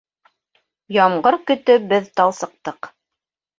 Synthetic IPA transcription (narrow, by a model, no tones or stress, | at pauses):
jɑmʁɢɤɾkɵ̆t̪ɵbɘðt̪ɑlˠsɤ̆q̚t̪ɤq